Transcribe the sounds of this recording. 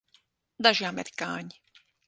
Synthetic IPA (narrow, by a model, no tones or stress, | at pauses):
d̪aʒjamɛt̪kaːɲ